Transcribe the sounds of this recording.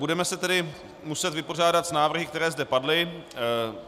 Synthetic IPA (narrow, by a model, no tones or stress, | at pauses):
budɛmɛsɛt̪ɛdɪ | musɛt̪vɪpo̞r̝aːdat̪znaːvr̩ɦɪkt̪ɛɾɛːzdɛpadlɪ